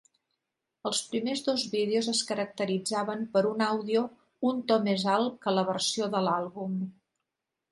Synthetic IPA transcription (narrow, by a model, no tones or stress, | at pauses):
əlˠspɾimezðozβiðeuzəskəɾək̚t̪əɾid͡zaβəmpəɾunawðiu | unt̪ɔmezalˠkələβərsioðəlalˠβum